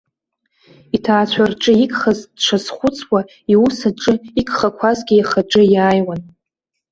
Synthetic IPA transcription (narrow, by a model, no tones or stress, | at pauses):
itʰaːt͡ɕʷʰarʈ͡ʂʼɨikʼχazdʂʰazχʷʊt͡sʰwa | iusaʈ͡ʂʼɨikʼχakʷʰazɡʲijaχaʈ͡ʂʼɨjaːjwan